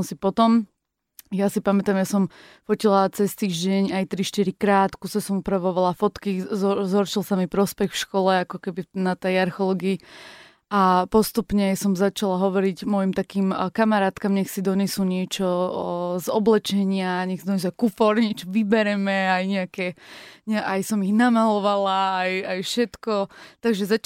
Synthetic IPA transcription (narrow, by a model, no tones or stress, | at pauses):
nsipɔt̪ɔm | jasipamɛt̪amjasɔm | fɔcilat͡sɛst̪iːʒɟɛɲajt̪ɾiʃt̪iɾikɾaːt̪kusasɔmupɾaʋɔʋalafɔt̪kizzɦɔɾʃilˠsamipɾɔspɛxfʃkɔlɛakɔkɛbinat̪ɛjaɾxɔlɔɡiː | apɔst̪upɲɛsɔmzat͡ʃalaɦɔʋɔɾiɟmɔjimt̪akiːmkamaɾaːt̪kamɲɛxsid̪ɔɲɛsuɲɪɛt͡ʃɔ | zɔ̰blɛt͡ʃɛɲɪaɲɛxsid̪ɔɲɛs̬uakufɔɾɲɛt͡ʃɔʋibɛɾɛmɛajɲɛakɛɲʔajsɔmiɣnamalɔʋalaːjajfʃɛt̪kɔt̪aɡʒɛza